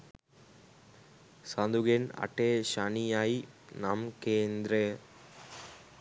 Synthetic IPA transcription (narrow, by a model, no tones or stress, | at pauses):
sand̪uɣenɐ̰ʈːeʃanijaːjnamkeːnd̪ɾɐ